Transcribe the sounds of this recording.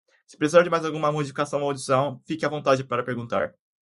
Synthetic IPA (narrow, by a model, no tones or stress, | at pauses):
sɪ̥pɾesizaɾd͡ʒɪmajzawɡũmɐmod͡ʒifi̥kasɐ̃w̃owd͡ʒisɐ̃w̃fikɪavõnt̪ad͡ʒɪpaɾɐpeɾɡũnt̪a̰ɾ